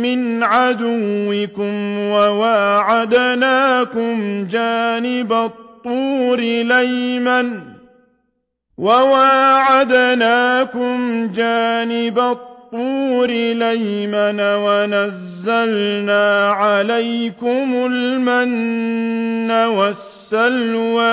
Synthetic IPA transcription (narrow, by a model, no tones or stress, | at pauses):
mɪnʕad̪ʊwːɪkʊmwawaʕad̪naːkʊmd͡ʒaːnɪbat̪ˤːuːɾɪlajman | wawaːʕad̪naːkʊmd͡ʒaːnɪbat̪ˤːuːɾɪlajmanwanazːalnaːʕalajkʊmʊlmanː | awasːalwa